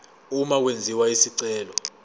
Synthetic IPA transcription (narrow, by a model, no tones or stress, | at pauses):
umak̬wend͡zʱiwaisiǀɛːlɔ